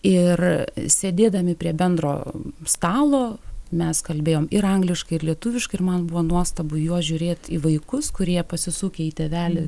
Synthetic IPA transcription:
ɪrsʲeːd̪ʲeːd̪ɐmʲɪpʲɾʲiɛbʲɛnd̪ɾo̰ːst̪ɑːlˠoːmʲɛskɐlʲbʲeːjoːmɪɾɐŋɡlʲɪʃkɐɪɪrlʲiɛt̪uʋʲɪʃkɐɪɪrmɐnbʊʋoːnuɔst̪ɐbʊjuɔsʒʲʊɾʲeːt̪iːʋɐɪkʊskʊɾʲiɛpɐsʲɪsuːkʲeiːt̪ʲeʋʲæːlʲɪ

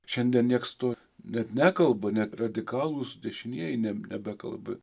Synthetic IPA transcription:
ʃʲɛnʲd̪ʲiɛnnʲiɛkst̪oː | nʲɛt̪nʲækɐlˠbɐnʲɛt̪rɐd̪ʲɪkɑːlˠusd̪ʲɛʃʲɪnʲiɛjɛɪnʲɛnʲɛbʲɛkɐ̰lˠbɪ

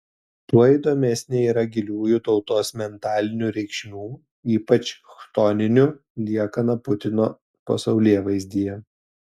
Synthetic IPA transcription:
t̪uɔid̪oːmʲɛsʲnʲeːiːɾɐɡʲɪlʲuːjʊt̪ɒʊt̪oːsmʲɛnt̪ɑːlʲɪnʲuːɾʲɛɪkʃʲmʲuː | iːpɐt͡ʃʲʃt̪ɔnʲɪnʲʊ | lʲiɛkɐnɐpʊt̪ʲɪnoː | pɐsɐʊlʲiɛʋɐɪzʲd̪ʲijɛ

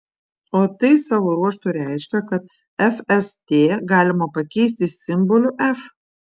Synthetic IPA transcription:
oːt̪ɐɪsɑːʋoɾuɔʃt̪uːɾʲæɪʃʲkʲɛkɐt̪ | ɛfɛst̪ʲeːɡɑːlʲɪmɐpɐkʲɛɪsʲt̪ʲɪsʲɪmbolʲʊʔæf

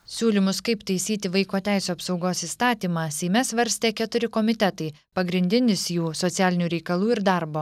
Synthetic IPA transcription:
sʲuːlʲɪmʊskɐɪpt̪ɐɪsʲiːt̪ʲɪʋɐɪkoːt̪ʲæˑɪsʲuːɐpsɒʊɡoːsiːst̪ɑːt̪ʲiːmɑːsʲɛɪmʲɛsʋɐɾʲsʲt̪ʲeːkʲɛt̪ʊɾʲɪkoːmʲɪt̪ʲɛt̪ɐɪ | pɐɡɾʲɪnʲd̪ʲɪnʲɪsjuːsɔt̪sʲæːlʲɪnʲuːɾʲɛɪkɐlˠuːɪɾd̪ɑɾboː

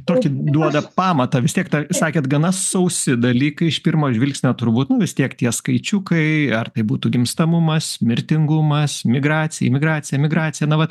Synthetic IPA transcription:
t̪oːkʲid̪uɔd̪ɐpɑːmɐt̪ɐʋʲɪst̪ʲiɛkt̪ɐsɑːkʲeːt̪ɡɐnɐsɐʊsʲɪd̪ɐlʲiːkɐɪɪʃpʲɪrmoːɪʒʲʋʲɪlʲksʲnʲoːt̪ʊɾbuːt̪nʊʋʲɪst̪ʲiɛkt̪ʲiɛskɐɪt͡ʃʲʊkɐɪɐrt̪ɐɪbuːt̪uːɡʲɪmst̪ɐmʊmɐsmʲɪɾʲt̪ʲɪŋɡʊmɐsmʲɪɡɾɑːt͡s̪ʲɪjɛ̰mʲɪɡɾɑːt͡s̪ʲɪjɛmʲɪɡɾɑːt͡ssʲɪjɛnɐʋɐt̪

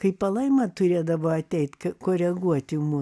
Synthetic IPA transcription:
kɐɪpɐlˠɐɪmɐt̪ʊɾʲeːd̪ɐʋoːɐt̪ʲɛɪt̪ʲkɐkoːɾʲɛɡuɔt̪ʲɪmu

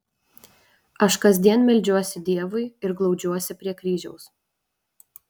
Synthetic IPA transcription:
ɐʃkɐzʲd̪ʲiɛnmʲɪlʲd͡ʒʲuɔsʲɪd̪ʲiɛʋʊɪɪɾɡlˠɒʊd͡ʒʲuɔsʲɪpʲɾʲiɛkɾʲiːʒʲɛʊs

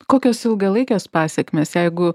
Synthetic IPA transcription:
koːkʲoːsɪlˠɡɐlˠɐɪkʲoːspɑːsʲɛːkmʲeːsjɛɪɡʊ

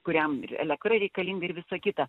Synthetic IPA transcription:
kʊɾʲɛmɪ̰rɛ̰lʲɛk̚t̪rɐɾʲɛɪkɐlʲiːŋɡɐɪɾʋʲɪsokʲɪt̪ɐ

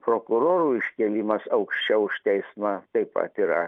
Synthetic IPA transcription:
pɾoːkʊɾoːɾuːɪʃʲkʲɛlʲiːmɐsɐʊkʃʲt͡ʃʲɛʊʊʃt̪ʲɛɪsmɐt̪ɐɪpɐ̰t̪iɾɐ

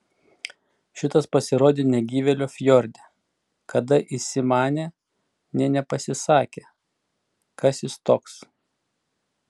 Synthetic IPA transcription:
ʃʲɪt̪ɐspɐsʲɪɾoːd̪ʲɪnʲɛɡʲiːʋʲɛlʲoːfʲjɔɾʲd̪ʲɛ | kʰɐd̪ɐʔɪsʲɪmɑːnʲeː | nʲɛnʲɛpɐsʲɪsɑːkʲeː | kɐsjɪst̪oːks

